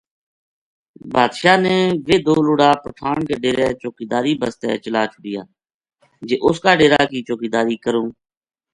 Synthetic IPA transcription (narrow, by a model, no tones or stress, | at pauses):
baːd̪ʃaːneːʋeːd̪oːloːɽaːpəʈʰaːɳkeːɖeːɾeːt͡ʃoːkiːd̪aːɾiːbəst̪ɛ̰ːt͡ʃəlaːt͡ʃʰʊɖɪjaː | d͡ʒeːʔʊskaːɖeːɾaːkiːt͡ʃoːkiːd̪aːɾiːkəɾõː